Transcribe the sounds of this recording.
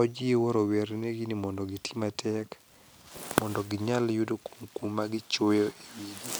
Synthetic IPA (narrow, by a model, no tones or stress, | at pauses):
ɔd͡ʒiewɔɾoweɾneɡinimɔndɔɡitʰi̥matʰɛk | mɔndɔɡɪɲaljudokuŋkumaɡɪt͡ʃojoʔewiɡi